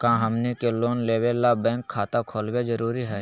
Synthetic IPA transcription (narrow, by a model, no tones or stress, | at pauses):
kãːɦɐmnikeloːnleːwelːabɛ̃ːŋkʰːaːt̪akʰoːlwezəɾuːɾiɦɛː